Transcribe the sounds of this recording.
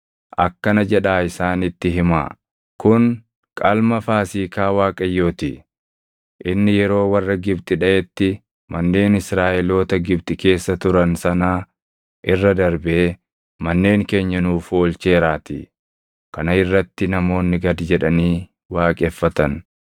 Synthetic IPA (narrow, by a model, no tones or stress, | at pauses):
ʔɐkːɐnɐd͡ʒɛᶑaːɪsaːnɪt̪ːɪɦɪma̰ː | kʊn | kʼɐlmɐfaːsiːkaːwaːkʼɐjːo̞ːt̪ɪ | ʔɪnːɪjɛɾo̞ːwɐrːɐɡɪbt̪ʼɪᶑɐʔɛt̪ːɪ | mɐnːe̞ːnɪsɾaːʔɛlo̞ːt̪ɐɡɪbt̪ʼɪke̞ːsːɐt̪ʊɾɐnsɐnaː | ʔɪrːɐd̪ɐɾbeː | mɐnːe̞ːŋke̞ːɲːɐnuːfoːlt͡ʃe̞ːɾaːt̪ɪ̰ | kɐnɐɪrːɐt̪ːɪnɐmo̞ːnːɪɡɐd̪d͡ʒɛᶑɐniː | waːkʼɛfːɐt̪ɐn